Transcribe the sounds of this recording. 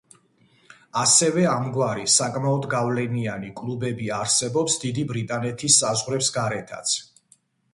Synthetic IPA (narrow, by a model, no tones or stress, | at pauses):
asɛvɛamɡwaɾisakʼmaɔd̪ɡavlɛnianikʼlubɛbiaɾsɛbɔpsd̪id̪ibɾit̪ʼanɛt̪ʰisːazʁɾɛpsɡaɾɛt̪ʰa̰t̪sʰ